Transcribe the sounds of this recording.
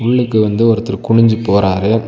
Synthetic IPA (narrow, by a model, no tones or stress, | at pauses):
ʊɭːɯkːɯʋɐnd̪ɯɔɾɯt̪ːɯɾkʊɳɪɲd͡ʒɯpoːɾaːɾe